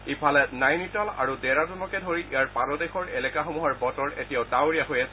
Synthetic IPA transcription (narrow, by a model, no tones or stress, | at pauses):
ipʰalɛnajnitɔla̰ɹudɛɹatɔlɔkɛdʱoɹiijaɹpanɔdɛxɔɹelɛkaxomuɦaɹbɔtɔɹḛtijaʊdawɹijaɦojɛs